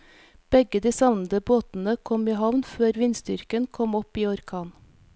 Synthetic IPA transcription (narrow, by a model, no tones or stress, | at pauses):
b̥ɛɡəd̪iːsɑʋnəd̪əboːt̪n̩əkʰɔmiːhɑʋnføːɾʋɪnst̪ʏ̰ɾkənkʰɔmɔpiːɔɾkʰɑːn